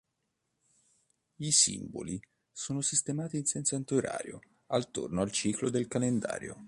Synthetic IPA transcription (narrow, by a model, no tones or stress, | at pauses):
isḭmbo̰li | soːnosist̪emaːt̪iːnsɛnsoant̪oɾa̰ːɾjo | alt̪ornoalt͡ʃiːklod̪elkalend̪a̰ːɾjo̰